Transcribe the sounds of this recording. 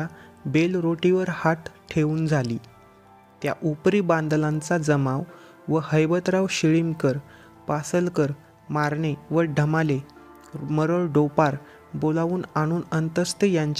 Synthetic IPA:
abelɾoʈiʋəɾhat̪ʈʰeʋuːnd͡zʱaliː | t̪ja̰ʔupɾiːbãnd̪lãnt͡sad͡zəmaʋ | ʋəhəjbət̪ɾaʋɕiɭimkəɾ | pasəlkəɾ | maɾɳeʋəɖʱəmale | məɾəɭɖopaɾ | bolaʋuːnaɽ̃uːnənt̪əst̪ejaɲt͡ɕ

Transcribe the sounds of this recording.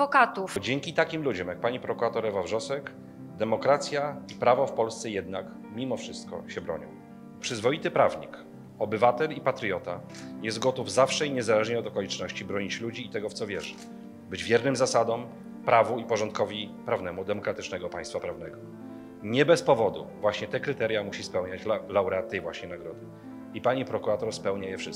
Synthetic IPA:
vɔkat̪ufd͡ʑɛŋkʲit̪akʲimlud͡ʑɔmjak̚paɲipɾɔkuɾat̪ɔɾɛvavʐɔsɛk | d̪ɛmɔkɾat̪sʲjaipɾavɔfpɔlst̪sɛjɛd̪nak | mʲimɔfʂɘst̪̚kɔ̰ɕɛbɾɔ̰ɲɔ̰w | pʂɘzvɔjit̪ɘpɾavɲḭk | ɔbɘvat̪ɛlipat̪ɾjɔt̪a | jɛst̪̚ɡɔt̪uvzafʂɛiɲɛzalɛʐɲɛɔd̪ɔkɔlʲit͡ʂnɔɕt͡ɕibɾɔɲit͡ɕlud͡ʑiːt̪ɛɡɔft̪ɔvʲjɛ̰ʐɘ | bɘd͡ʑvʲjɛɾnɘmzasad̪ɔm | pɾavuipɔʐɔnt̪̚kɔvʲipɾavnɛmud̪ɛmɔkɾat̪ɘt͡ʂnɛɡɔpajst̪fapɾavn̪ɛɡɔ | ɲɛbɛspɔvɔd̪ṵvwaɕɲɛt̪ɛkɾɘt̪ɛɾjamuɕispɛwɲat͡ɕlawɾɛat̪ːɛjvwaɕɲɛnaɡɾɔd̪ɘ | ipaɲipɾɔkuɾat̪ɔɾspɛwɲajɛfʂɘs

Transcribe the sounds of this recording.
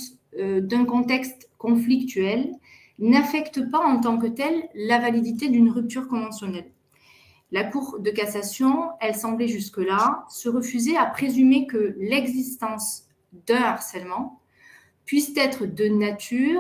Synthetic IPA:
ød̪ɛ̃kɔ̃t̪ɛkst̪kɔ̃flikt̪yɛl | nafɛkt̪əpaɑ̃t̪ɑ̃kət̪ɛlːavalid̪it̪ed̪ynʁyp̚t̪yʁkɔ̃vɑ̃sjɔnɛlː | akuʁd̪əkasasjɔ̃ɛlsɑ̃blɛʒyskəlasəʁəfyzeapχezymekəlɛɡzist̪ɑ̃s | d̪ɛ̃aʁsɛlmɑ̃ | pɥist̪ɛt̪χəd̪ənat̪ʰyː

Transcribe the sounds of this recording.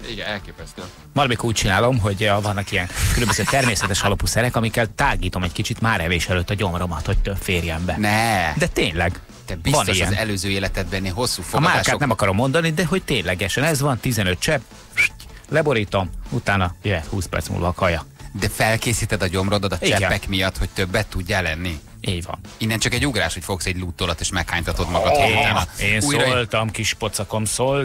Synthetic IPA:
iɡɛnɛlkeːpɛst̪ø | mɒɾɒmikouːc̚t͡ʃinaːlo̞mɦo̞ɟøvɒnːɒkiɛnkølømbøzøːt̪ɛrmeːsɛt̪ɛʃɒlopusɛɾɛkɒmikːɛlt̪aːɡiːt̪o̞mɛckit͡ʃit̪maːɾɛveːʃɛløːt̪ːɒɟo̞mro̞mɒt̪ho̞c̚t̪øbfeːrjɛmbɛnɛd̪ɛt̪eːɲlɛɡ | t̪ɛbivɒniʃɛ̰nzɛløːzøːeːlɛt̪ɛd̪̚bɛnːeːɦo̞sːuːfoɒmaːaːkaːtnɛmɒkɒɾo̞mːo̞nd̪ɒnid̪ɛɦo̞ct̪eːɲlɛɡɛʃɛnɛzʋɒnt̪izɛnøt̪̚t͡ʃɛb | ʃlɛbo̞ɾiːt̪o̞mut̪aːnɒjøɛt̪huːspɛ̰rt̪smṵlvɒkʰɒjɒd̪ɛfɛlkeːsiːt̪ɛd̪ɒɟo̞mrod̪ɒd̪ɒt͡ʃiɛp̪ːɛkmijɒt̪ho̞c̚t̪øbːɛt̪ːuɟːalɛnːi | ʔeːɟvɒ̰ninːɛnt͡ʃɒkɛɟːuɡɾa̰ːʃho̞cfo̞ksɛɟlut̪ːoːlɒt̪eːʃmɛkhaːɲt̪ɒt̪o̞d̪mɒɡɒaeːnusːjolt̪ɒmkiʃpo̞t̪sɒkomsol

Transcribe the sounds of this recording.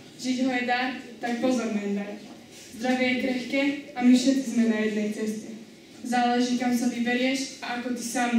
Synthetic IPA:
ʒiɟɦɔjɛd̪aːt̪ak̚pɔzɔɾnɛnd̪aɾ | zd̪ɾaʋɪɛjɛkɾɛxkɛːamifʃɛt̪̚t͡sizmɛnajɛd̪nɛjt͡sɛscɛ | zaːlɛʒiːkamsavibɛɾɪɛʃaʔakɔt̪isaːm

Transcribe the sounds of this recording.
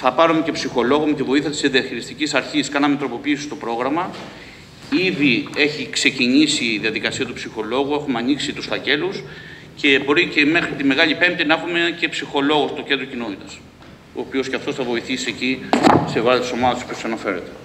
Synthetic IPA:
θɐpɐɾumece̞psixo̞lo̞ɣomet̪ivo̞iθiɐt̪i̥sd̪iɐçiɾist̪icisɐɾçiskɐnɐmet̪ɾo̞po̞piːsi̥st̪o̞pɾo̞ɣɾɐmɐ | iðie̞çikse̞ciɲisiðiɐðikɐsiɐt̪upsixo̞lo̞ɣue̞xumeɐniksit̪usfɐce̞lus | ce̞bo̞ɾice̞me̞xɾit̪ime̞ɣɐʎipe̞mt̪inɐexume̞ce̞psixo̞lo̞ɣo̞st̪o̞ce̞nd̪ɾocino̞t̪it̪ɐs | t̪o̰ːpio̞sceɐft̪osθɐvo̞iθisiecisevɐsist̪u̥so̞mɐðɐst̪isopiossɐnɐfe̞ɾet̪e̞̥

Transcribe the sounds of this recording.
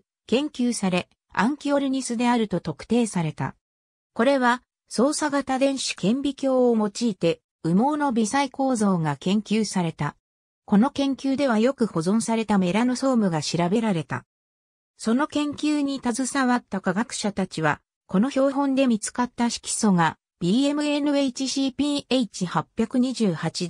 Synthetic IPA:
kẽ̞ŋkʲɨːsaɾe̞ | ãŋkʲio̞ɾʲiɲ̟isɨd̪e̞aɾɯ̟t̪o̞t̪o̞kɯ̥t̪e̞ːsaɾe̞t̪a̰ | ko̞ɾe̞βa | so̞ːsaɡat̪ad̪ẽ̞ɰ̃ɕi̥kẽ̞mbʲikʲo̞ːmo̞t͡ɕiːt̪e̞ | ɯ̟mo̞ːno̞bʲisaiko̞ːzo̞ːɡakẽ̞ŋkʲɨːsaɾe̞t̪a | ko̞no̞kẽ̞ŋkʲɨːd̪e̞β̞ajo̞kɯ̟ho̞zõ̞ɰ̃saɾe̞t̪ame̞ɾanoso̞ːmɯ̟ɡaɕiɾabe̞ɾaɾe̞t̪a̰ | so̞no̞kẽ̞ŋkʲɨːɲ̟it̪azɨsaβat̪ːakaɡakɯ̟̥ɕat̪at͡ɕiβ̞a̰ | ko̞no̞ço̞ːɦõ̞nd̪e̞mʲit͡sɨ̥kat̪ːaɕi̥kʲi̥so̞ɡa | b̥ʲiːe̞mɯ̟enɯ̟e̞it͡ɕiɕipʲiːe̞it͡ɕihapʲːjakɯ̟ɲ̟iʑɨːhat͡ɕid̪

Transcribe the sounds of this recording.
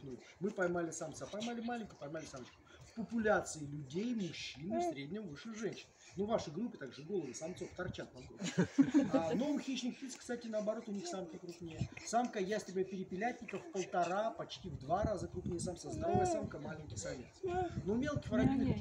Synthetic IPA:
nu | mɨpɐjmalʲɪsɐmt̪sapɐjmalʲɪmalʲɪnʲkʊjpɐjmalʲɪsamət͡ɕkʊ̥fpəpʊlʲat̪sɨɪlʲʊdʲejmʊɕːinɨfsɾʲedʲnʲɪmvɨʂːɨxʐɛnʲɕɪn | nuvaʂɨjɡɾupʲːɪt̪aɡʐɨɡo̞lˠəd̪əsɐmt̪soft̪ɐrt͡ɕat̪̚pɐɡɾupʲː | novʊxʲit͡ɕnʲɪkfʲilʲskst̪atʲɪnəɐbɐɾo̞t̪ʊnʲixsamkəkɾupnʲejəsamkəjasʲt̪bʲapʲɪɾʲɪpʲɪlʲætʲnʲɪkəfpəlˠt̪ɐɾapɐt͡ɕtʲivd̪vaɾazəkɾupnʲejəsamsəzd̪ɐvalʲɪsamkəmalʲɪnʲkʲɪsɐvʲḛt̪snomʲe̞lˠkʲɪ̥jvəɾɐvʲinə

